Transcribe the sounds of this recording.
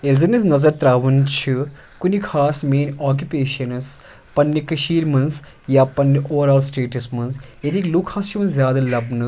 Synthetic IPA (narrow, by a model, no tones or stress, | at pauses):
elzɐnɐsnɐzɐɾt̪ɾaːʋunt͡ʃʰi | kunikʰaːsmeːnʲaːk̬ʲjupeːʃɐnɨs | pɐnːikɐʃiːɾmɐnz | jaːpɐnːiʔoːɾaːlsʈeːʈɐsmɐnzjɐt̪iːkluːkʰaːst͡ʃʰimɐnzzjaːd̪ɐlɐbnɨ